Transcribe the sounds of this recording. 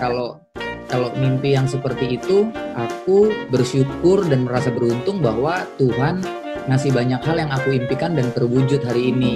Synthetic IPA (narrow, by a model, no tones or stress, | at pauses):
kalo | kalomimpijaŋsəpərt̪iːt̪uʔak̚ubərʃukʊrdanməɾasabəɾunt̪ʊŋbaɦwat̪uɦan | masɪhbaɲakhaljaŋakuimpikandant̪ərbud͡ʒʊt̪̚ɦaɾiːni